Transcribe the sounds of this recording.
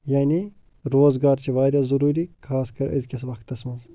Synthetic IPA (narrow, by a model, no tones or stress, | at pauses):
jaːni | ɾoːzɡaːɾt͡ʃʰiʋaːd̪ʲaːzɐɾuːɾiːkʰaːskʰɐɾɐ̰zʲkʲisʋɐkt̪ːɐsmɐz